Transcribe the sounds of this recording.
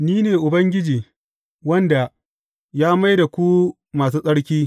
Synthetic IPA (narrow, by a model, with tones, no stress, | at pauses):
niː˦neː˨ʔʊ˨bɐ˦ŋɡʲɪ˦d͡ʒiː˨ | wɐ˦nda˨ | jaː˦ma˦jda˨kʷu˦ | maː˨s̬uː˦sʼɐ˦ɽkʲiː˦